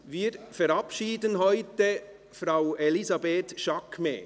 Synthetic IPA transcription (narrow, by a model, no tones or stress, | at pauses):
viːɾfɛɾɑpʃiːdənɦɔʏtə | fɾaʊelizɑbeːt̪ʃɑkmḛ